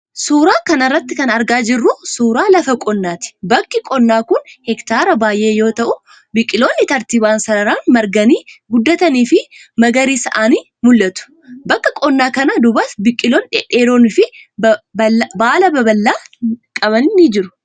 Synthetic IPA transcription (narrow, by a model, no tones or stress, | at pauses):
suːɾaːkɐnɐrːɐt̪ːɪkɐnɐɾɡaːd͡ʒɪrːʊsuːɾaːlɐfɐkʼɔnːaːt̪ɪ̥bɐkːɪkʼɔnːaːkʊnhɛkt̪aːɾɐbaːjʔe̞ːjo̞ːt̪ɐʔʊ | bɪkʼːɪlo̞ːnːɪt̪ɐɾt̪ibaːnsɐɾɐɾaːnmɐɾɡɐniːɡʊd̪ːɐt̪ɐniːfɪmɐɡɐɾiːsɐʔaːniː | mʊlːɐt̪ʊ̥ | bɐkːɐkʼɔnːaːkɐnɐd̪ʊbɐsbɪkʼːɪloːnᶑɛᶑe̞ːɾo̞ːnɪfɪbbɐbaːlɐbɐbɐlːaːkʼɐβɐnɪnid͡ʒɪɾʊ̥